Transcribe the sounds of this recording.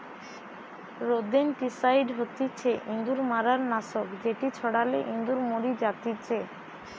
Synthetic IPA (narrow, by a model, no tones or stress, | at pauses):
ɾod̪enʈisaiɖɦot̪it͡ɕʰeʔind̪uɾmaɾaɾnaʃokd͡ʑeʈit͡ɕʰɔɽaleʔind̪uɾmoɾid͡ʑat̪it͡ɕe